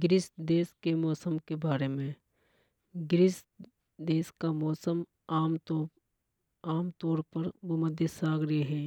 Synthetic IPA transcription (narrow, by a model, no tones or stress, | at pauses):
ɡɪɾɪsd̪eːskemɔːsəmkebaːɾemẽ | ɡɾɪs | d̪eːskamɔːsəm | aːm | aːmt̪ɔːɾpəɾboməd̪ʱjəsaːɡɾeɦɛ̃ː